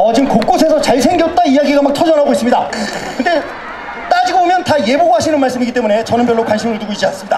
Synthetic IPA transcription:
ʌd͡ʑinkok̚k͈osʰe̞sʰʌt͡ɕaɭsʰe̞ŋɡjʌt̚t͈aijaɡiɡamak̚tʰʌd͡ʑʌnɦaɡois͈ɯmɲidakɯnde̞ | t͈ad͡ʑiɡobomjʌntaje̞boɡɦaɕʰinɯnmaɭs͈ɯmiɡit͈e̞mune̞t͡ɕʌnɯnpjʌɭːokwanɕʰimɯɭtuɡoid͡ʑians͈ɯmɲida

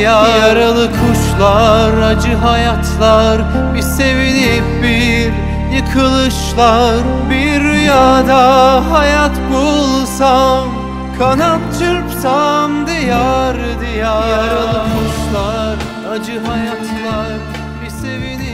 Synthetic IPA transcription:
jajaɾalˠɯkʰuʃlˠaɾad͡ʒɯɦajat̪ʰlˠaɾ | bise̞vilipbi | ɾ | jɯkʰɯlˠɯʃlˠaɾbiɾyjaːd̪aɦajat̪bolˠsam | kʰanatt͡ʃʰɯɾpsamd̪ijaɾɯd̪ijaaɾalˠɯkʰuʃlˠaɾ | ad͡ʒɯɦajat̪lˠaɾ | bisevini

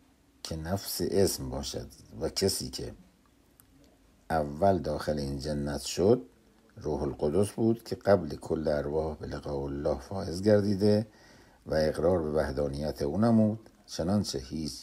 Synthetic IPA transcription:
kʰenæfseʔesmbɒːʃæ̰d̪væcʰesiːkʰḛ | ʔævːæld̪ɒːxeleiːnd͡ʒenːæt̪ʰʃod̪̚ | ruːɦolɢod̪osbuːd̪̥kʲʰeɢ̥æblekʰolːeæɾvɒːhbeleɣɒːolːɒːhfɒːjezɡæɾd̪iːd̪e | væeɣɾɒːɾbe̞væhd̪ɒːnijæt̪ʰeuːnæmuːd̪̥ | t͡ʃʰenɒnt͡ʃʰehiːt͡ʃʰ

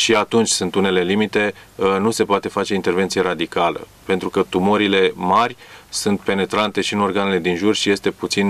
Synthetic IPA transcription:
ʃiat̪unt͡ʃʲsunt̪une̞le̞limit̪e̞nuse̞poat̪e̞fat͡ʃe̞int̪e̞rve̞nt̪sije̞ɾad̪ikalə̰ | pe̞nt̪ɾukət̪umoɾile̞marʲsunt̪̚pe̞ne̞t̪ɾant̪e̞ʃiɨno̞rɡane̞le̞d̪inʒurʃije̞st̪e̞put̪sin

